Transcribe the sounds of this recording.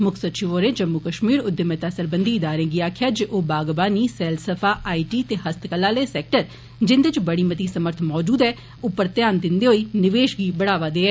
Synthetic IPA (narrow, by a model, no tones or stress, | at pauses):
mʊkʰsətt͡ʃʰiʋoːɾẽːd͡ʒəmːukəʃmiːɾʊd̪ːemẽt̪aːsəɾbənd̪iːɪd̪aːɾẽːɡiːaːkʰɪjaːd͡ʒeːʔoːbaːɡbaːniːsɛːlsəpʰaːʔaːiːʈiːt̪eːɦəst̪kəlːaːleːsɛːk̚ʈəɾ | d͡ʒɪnd̪ɪt͡ʃbəɽiːmət̪iːsəməɾt̪ʰmɔːd͡ʒuːd̪ɛː | ʊpːəɾt̪jaːnd̪ɪnd̪eːɦoiːnɪʋeːʃɡiːbəɽaːʋaːd̪eːɛː